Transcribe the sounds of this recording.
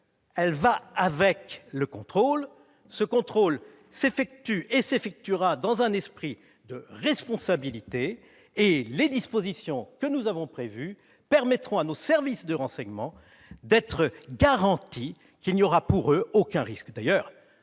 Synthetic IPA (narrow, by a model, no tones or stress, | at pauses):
ɛlvaavɛkləkɔ̃t̪χol | səkɔ̃t̪χol | sefɛk̚t̪yʔesefɛk̚t̪yʁad̪ɑ̃zɛ̃nɛspχi | d̪əʁɛspɔ̃sabilit̪eː | led̪ispozisjɔ̃kənuzavɔ̃pχevy | pɛʁmɛt̪χɔ̃anosɛʁvisd̪əʁɑ̃sɛɲmɑ̃ | d̪ɛt̪χəɡaʁɑ̃t̪i | kʲilnjɔʁapuʁøokʲɛ̃ʁiskd̪ajœːʁ